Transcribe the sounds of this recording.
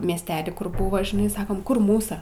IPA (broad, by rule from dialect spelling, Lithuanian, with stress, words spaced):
mʲiɛsʲˈtʲæːlʲiː ˈkʊr ˈbʊʋoː ʒʲɪˈnɐɪ ˈsɑːkoːm kʊr ˈmuːsɐ